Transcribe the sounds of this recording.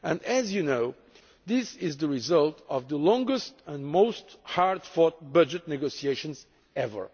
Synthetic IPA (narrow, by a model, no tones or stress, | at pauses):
ɨ̃nɨzjɨnoʊ | ðɪsɪzðəɹizʌlˠtʰʌvðəlɔ̃ŋɡəstə̃nmoʊsthaɹdfɔt̚bʌd͡ʒɨtnɨɡoʊsieɪʃə̃nz | ɛvə̰˞